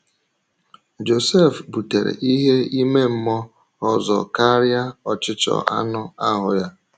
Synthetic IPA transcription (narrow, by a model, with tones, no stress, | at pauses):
d͡ʒo˨se˦˨fbu˨te˨ɾḛ˨ʔi˦ɦe˦i˦me˦m̩˦mɔ˦ | ɔ˦zɔ̰˨ka˦ɾja˦ɔ˨t͡ʃɪ˦t͡ʃɔ̰˨ʔa̰˦nʊ˦a˦ɦʊ˨ja˦